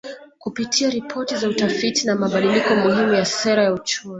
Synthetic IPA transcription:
kupitʰiaɾipʰɔtizautafitinamaɓaɗilikɔmuhimujasɛɾajaut͡ʃumi

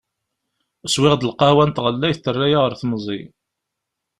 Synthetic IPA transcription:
əswɪʁd̪əlqɑhwænt̪ʁəlːæjθt̪ːərːæjaʁəɾθməzˤḭ

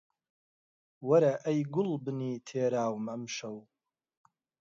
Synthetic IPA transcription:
wɐɾɐʔɐjɡʊlbɨniːt̪ʰeːɾaːwmɐmʃɐw

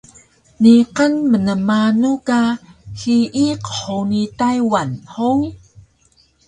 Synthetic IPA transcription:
niqənmənəmanukahiʔiqə̥ħunitajwanhoŋ

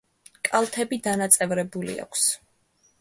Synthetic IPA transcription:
kʼalˠt̪ʰɛbid̪anat̪sʼɛvɾɛbulḭa̰kʷʰs

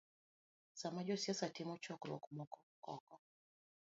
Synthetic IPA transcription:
samad͡ʒɔsiasatimɔt͡ʃɔkulɔ̰kumɔkɔkɔ̰kɔ

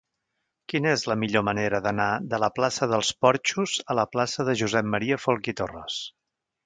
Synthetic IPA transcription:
kinəezləmiʎoməneɾəðənaðələplasəðəlˠspɔɾt͡ʃuzələplasəðəʒuzɛmmːəɾiəfolˠkit̪orə̰s

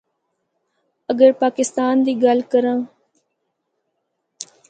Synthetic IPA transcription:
əɡəɾpaːkɪst̪aːnd̪iːɡalkəɾãː

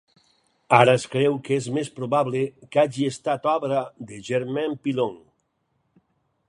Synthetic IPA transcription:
aɾaeskɾɛwkezmespɾoβaβlekaʒiest̪at̪ɔβɾaðeʒeɾmɛmpiloŋ

